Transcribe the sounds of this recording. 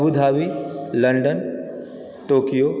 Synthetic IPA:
bud̪ʱaːʋilɐɳɖən | ʈoːkijoː

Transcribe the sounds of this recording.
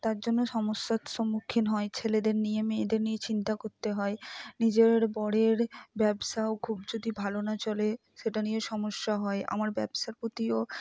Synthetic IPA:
t̪aɾd͡ʑonːoʃɔmoʃːat̪ʃomːukʰːinɦɔet͡ɕʰeled̪eɾnijemed̪eɾniet͡ɕint̪akoɾt̪eɦɔenid͡ʑeɾbɔɽeɾbɛbʃaokʰubd͡ʑod̪ibʱalonat͡ɕɔle | ʃeʈanijeʃɔmoʃːaɦɔeʔa̰maɾbɛbʃaɾpot̪io

